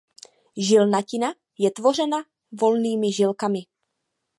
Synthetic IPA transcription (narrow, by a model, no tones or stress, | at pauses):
ʒɪlnacɪna | jɛt̪vo̞r̝ɛna | vo̞lniːmɪʒɪlkamɪ